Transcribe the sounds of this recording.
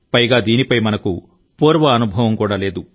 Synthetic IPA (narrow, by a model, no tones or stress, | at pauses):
pɐjɡaːd̪iːnipɐjmɐnɐku | puːɾʋɐːnubʱɐʋɐmkuːɽaːle̞ːd̪u